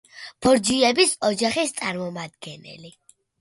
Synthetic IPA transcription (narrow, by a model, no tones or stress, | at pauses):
b̥ɔɾd͡ʒiɛbisɔd͡ʒaχist̪sʼaɾmɔmad̪̚ɡɛnɛ̰li